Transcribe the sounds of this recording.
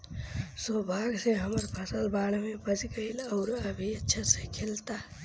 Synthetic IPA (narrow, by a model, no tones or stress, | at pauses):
sobʱaɡseɦəməɾpʰəsəlbaɽmebəd͡ʒɡəɪləʊɾəbʱiətːʃʰasekʰelt̪a